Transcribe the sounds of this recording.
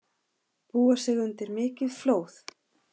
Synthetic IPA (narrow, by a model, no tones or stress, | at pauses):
puːasɛɣʏnt̪ɪɾmɪːcɪðfloːwθ